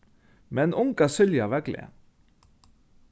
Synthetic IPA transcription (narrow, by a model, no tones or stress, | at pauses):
mɛnʊŋkɑsʏljɑʋæɡlḛ